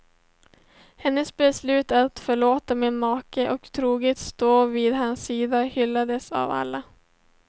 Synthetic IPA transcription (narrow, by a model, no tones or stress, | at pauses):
hɛnːəsbɛslʉ̟ːt̪at̪fœɭoːt̪amɪnmɑːkəʔɔkt̪ʰɾuːɡət̪st̪oːviːd̪ɦansːiːd̪ahʏlːad̪əsa̰va̰lːa